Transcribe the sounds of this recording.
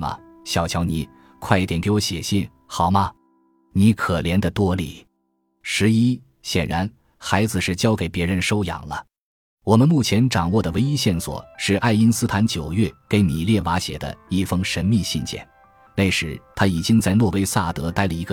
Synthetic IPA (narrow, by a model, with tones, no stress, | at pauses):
mɐ̰˩ | ɕjɑ˨˧˩ʊt͡ɕʰjɑ˧˥ʊni˧˩˦ | kʰwa˥ɪi˥˩t̪jɛ˨˩nke˧˥ɪwɔ˧˥ɕjɛ̰˨˩ɕi˥˩n | xɑ˨˩ʊmɐ˧ | ni˧˥kʰɤ˨˩ljɛ˧˥nd̪ə˧t̪wɔ˥lḭ˨˩ | ʂɻ̩˧˥i˥ | ɕjɛ˨˩nɻa˧˥n | xa˧˥ɪd͡zɹ̩˧ʂɻ̩˥˩t͡ɕjɑ˥ʊke˨˩ɪpjɛ˧˥ɻə˧nʂo˥ʊjɑ̰˨˩ŋlə̰˦ | wɔ˨˩mə˦nmu˥˩t͡ɕʰjɛ˧˥nʈ͡ʂɑ˨˩ŋwɔ˥˩d̪ə˩we˧˥ɪi˥ɕjɛ˥˩nswɔ̰˨˩˦ʂɻ̩˥˧ʔa˥˩ɪi˥nsɹ̩˥t̪ʰa˧˥nt͡ɕjo˨˩ʊjɥɛ˥˩ke˧˥ɪni˨˩ljɛ˥˩wa˧˥ɕjɛ̰˨˩d̪ə̰˦i˥˩fɤ˥ŋʂə˧˥nmi˥˧ɕi˥˧nt͡ɕjɛ̰˥˩n | ne˥˩ɪʂɻ̩˧˥t̪ʰa˥i˨˩t͡ɕi˥ŋt͡sa˥˧ɪlwɔ˥˧we˥ɪsa˥˩t̪ɤ˧˥t̪a˥˩ɪlə˩i˧˥ɡə˧